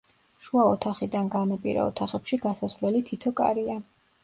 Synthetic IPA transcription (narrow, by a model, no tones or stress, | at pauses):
ʃuaɔt̪ʰaχid̪anɡanapʼiɾa̰ɔ̰t̪ʰaχɛpʃiɡasasvlɛlit̪ʰit̪ʰɔkʼa̰ɾia